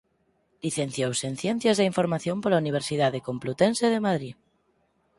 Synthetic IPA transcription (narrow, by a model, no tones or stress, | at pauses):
liθen̟θjowsen̟θjɛ̃n̟θjazðeiɱfoɾmaθjompolauniβ̞eɾsiðað̞ekomplut̪ẽnseð̞emaðɾi